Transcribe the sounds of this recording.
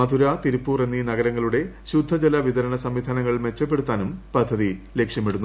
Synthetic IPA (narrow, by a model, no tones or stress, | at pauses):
ɐd̪ʱuɾat̪iɾupːuːre̞nːinɐɡɐɾɐŋːɐɭuɽe̞ɕud̪ʱːɐd͡ʑɐlaʋiðɐɾɐɳɐsɐmʋid̪ʱaːnɐŋːɐɭme̞t͡ɕːɐpːe̞ɽut̪ːaːnumpɐd̪ʱːɐðile̞kʂjɐmeɽunːu